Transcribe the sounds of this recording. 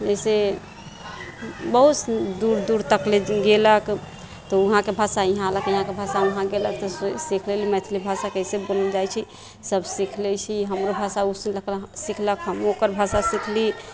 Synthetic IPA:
d͡ʒəjse | bəɦut̪d̪uɾd̪uɾt̪əkleɡelək | t̪ɔuɦãkebʱasaiɦãləkiɦãkebʱasauɦãɡelək̚t̪ɔsikʰlelimɛt̪ʰilibʱasakesebold͡ʒajt͡ʃʰi | səbsikʰlɛt͡ʃʰiɦəmɾobʱasausləksikʰləkɦəmokəɾbʱasasikʰli

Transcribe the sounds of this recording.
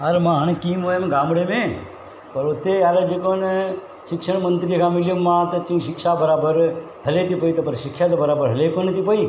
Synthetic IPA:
əɾmãːɦəɳ̃kiːmoemɡaːmɽemẽː | pəɾʊt̪ːeaːled͡ʒekone | ʃɪkʃəɳ̃mənt̪ɾikamɪljomːãːt̪ot͡ʃ̪ĩĩʃɪkʃabəɾaːbəɾ | ɦɐlet̪ipəit̪opɐɾʃɪkʃat̪̬obəɾaːbəɾɦɐlekonət̪ʰipəi

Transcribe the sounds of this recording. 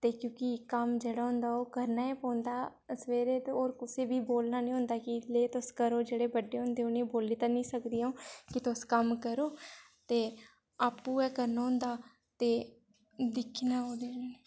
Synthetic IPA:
t̪eːkjõːkikəmd͡ʒeːɽaːɦʊ̃nd̪aːoːkəɾnaːɛːpɔ̃ːnd̪aː | sʋeːɾeːt̪oːɾkʊseːbiːboːlnaːnĩːɦʊ̃nd̪aːkɪleːt̪ʊskəɾoːd͡ʒeːɽeːbəɖːeːɦʊ̃nd̪eːoːnẽːboːliːt̪ãːnĩːsəkd̪iːaõːkɪt̪ʊskəmkəɾoː | t̪eː | aːpːuːɛːkəɾnaːɦʊ̃nd̪aː | t̪eː | d̪ɪkʰinaːoːd̪eeːneː

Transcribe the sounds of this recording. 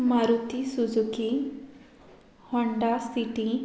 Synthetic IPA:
maɾut̪isud͡ʒuki | hɔɳɖasiʈi

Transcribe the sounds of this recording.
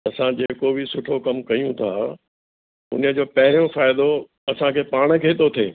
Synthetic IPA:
ɐsãd͡ʑeːkobʱisʊʈʰokɐmkɐjũt̪ʰa̰ | ʊ̰nə̆d͡ʑoːpɐɦɪɾijõfaːɪd̪o | ɐsãkʰeːpaːɽ̃əkʰeːt̪ot̪ʰḛː

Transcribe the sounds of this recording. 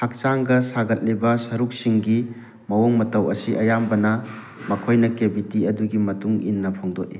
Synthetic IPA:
ak̚t͡ʃaŋɡɐsaɡɐt̚libɐsɐɾuk̚siŋɡi | mɐwoŋmɐtɐwɐsiʔɐjambɐnɐ | mɐkʰojnɐkebitiɐduɡimɐtuŋinːɐpʰoŋdoʔ̚i

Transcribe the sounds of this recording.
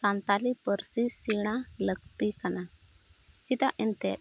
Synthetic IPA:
sant̪alibəɾsisiɽ̃aləɡt̪ikana | t͡ʃit̪aʔint̪ɛ

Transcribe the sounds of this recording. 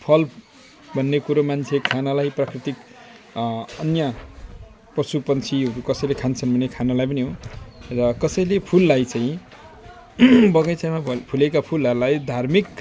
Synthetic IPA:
pʰʌl | bʱʌnːekuɾomant͡sʰekʰanalajprakrit̪ik | ʌnja | prʌsupʌnt͡sʰiɦʌɾukʌsʌjlekʰant͡sʰʌnbʱʌnːekʰanalajp̬ʌniɦorʌkʌsʌjlepʰulːajt͡saĩ | bʌɡʌjt͡sajmapʰulekapʰulʌɾulajd̪ʱarmik

